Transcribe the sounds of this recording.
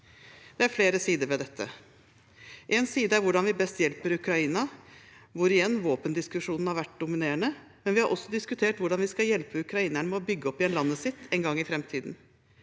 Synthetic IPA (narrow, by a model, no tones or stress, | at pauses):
d̪̥ɛæɾfleːɾəsiːd̪əɾʋɛd̪ɛt̪ʰːə̰ | ʔɛnsiːd̪əæɾʋʊɖɑnʋɪbɛst̪jɛlpəɾʉkɾɑiːnɑ | ʋʊɾɪjɛnːʋoːpənd̪ɪskʉʂuːnn̩hɑɾʋæʈ̚ːd̪ʊmɪneːəɳə | mɛnʋɪhɑɾʔɔsːɔd̪ɪskʉt̪ʰeːʈʋʊɖɑnʋɪskɑjɛlpəʉkɾɑiːnæɳəmɛɔbʏɡːəɔpːɪɛnlɑnːəsɪt̪ːɛnɡɑŋːɪfɾɛmt̪ʰiːd̪n̩